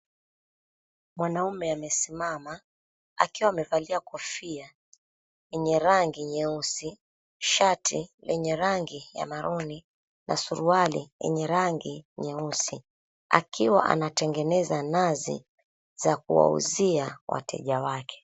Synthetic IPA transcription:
mwanaumɛamɛsimama | a̰kiwaːmɛvaliakɔfia | jɛɲɛɾaŋɡiɲɛusi | ʃatilɛɲɛɾaŋɡija̰maɾɔni | na̰suɾualijɛ̰ɲɛɾaŋɡiɲɛusi | a̰kʰiwa̰ʔa̰natɛŋɡɛnɛzanazḭ | z̥ak̚uwa̰ṵziawa̰tɛ̰ʄawakʰɛ̥

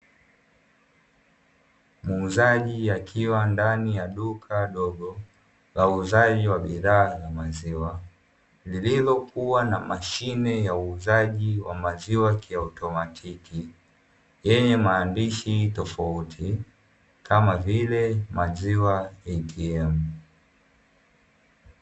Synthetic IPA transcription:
muːzaʄijakʰiwandanijaɗukʰaɗɔɠɔ | lauːzaʄiwaɓiðaːjamaziwa | lililɔkuwanamaʃinɛjauːzaʄiwamaziwakʰiautɔmatʰiki | jɛɲɛmaːndiʃitɔfautʰi | kʰamavilɛmaziwaɛtʰiɛm̩

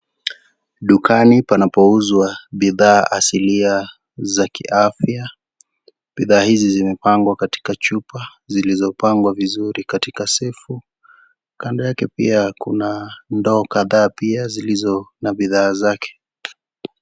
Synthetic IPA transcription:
ɗukʰanipanapɔuzwaɓiðaːʔasilia | zakḭʔafja | ɓiðaːhizizimɛpaŋɡwakati̥kat͡ʃupazilizɔpaŋɡwavizuɾikatikasɛfu | kandɛjakɛpḭakunandɔːkaðaːpiazilizɔnaɓiðaːzakʰɛ̥

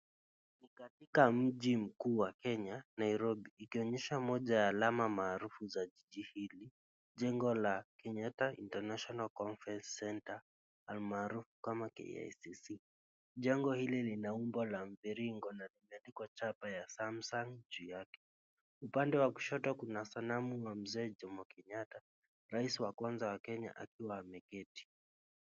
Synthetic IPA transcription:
nikatikam̩ʄim̩kuːwakɛɲanaiɾɔbiːkiɔɲɛʃamɔʄajaːlamamaːɾufuzaʄiʄihili | ʄɛŋɡɔlakɛɲataḭntanaʃɔnalkɔnfɾɛnssɛntaː | lmaːɾufu̥kamakɛ̰ja̰jsisi | ʄɛŋɡɔhililinaumbɔlaɱviɾiŋɡɔnalimɛandikɔt͡ʃapajasamsaŋd͡ʒujakɛ̥ | upandɛwaku̥ʃɔtwakunasanamuwam̩zɛːd͡ʒɔmbɔkɛɲata | ɾaisiwakwanzawakɛɲa̰ʔa̰kiwaːmɛkɛti̥

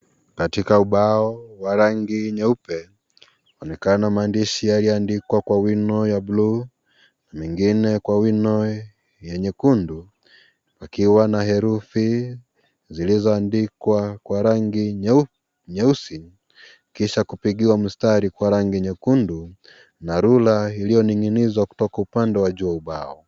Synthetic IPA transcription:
katikauɓaɔwaɾaŋɡiɲɛupɛ | ɔnɛkanamaːndiʃijalijɔandikwakwawinɔjablu | namɛŋɡinɛkwawinɔ | jɛɲɛkundu | pakiwanaɦɛɾufi | zilizɔandikwakwaɾaŋɡi | ɲɛusin | kiʃakupiɠiwam̩staɾikwaɾaŋɡiɲɛkundu | naɾulailijɔniŋinizwaku̥tɔkaupandɛwaʄuauɓaɔ

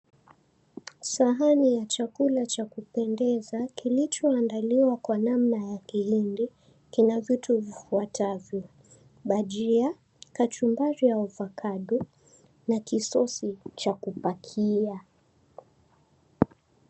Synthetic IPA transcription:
saɦanijat͡ʃakulat͡ʃakupɛndɛzakilit͡ʃɔandaliwakwanamnajakihindi | kinavituvifuatʰavjɔ | ɓaʄia | kat͡ʃumbaɾiauvakʰaɗu | nakisɔsit͡ʃakupakʰia

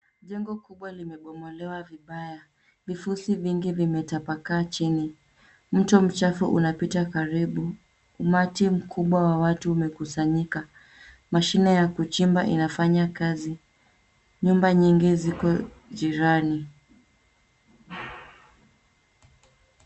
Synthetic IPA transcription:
ʄɛŋɡɔkuɓwalimɛɓɔmɔlɛwaviɓaja | vifusiviŋɡivimɛtapakaːt͡ʃini | m̩tɔm̩t͡ʃafuʔṵnapitakaɾiɓu | umatim̩kʰuɓwawawatuːmɛkusaɲika | maʃinɛjakut͡ʃimbaʔinafaɲakazi | ɲumbaɲiŋɡizikɔ | ʄiɾani

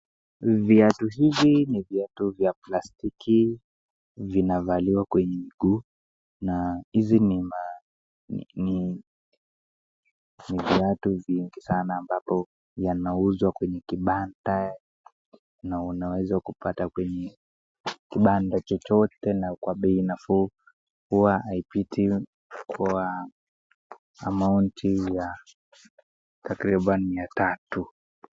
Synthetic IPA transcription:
viatuɦiviniviatuvjaplastikʰi | vinavaliwakwɛɲɛmiɡuː | nahizinima̰ | ni | niviatuviŋɡisanaːmbapɔ | janauzwakwɛɲɛkiɓanda | naunawɛzakupatakwɛɲɛ | kiɓandat͡ʃɔt͡ʃɔtɛnakwaɓɛinafu | huwaaipitʰi | ka | mauntʰija | takɾiɓanimiatatu

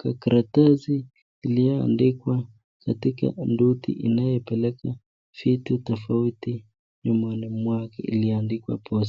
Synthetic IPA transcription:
kakɾatazi | ilijɔa̰ndikwa | katika̰ndutḭʔinajɔpɛlɛkʰa | fitutɔfauti | ɲɔmanimwakɛ̰ḭlijandikwa̰pʰɔs

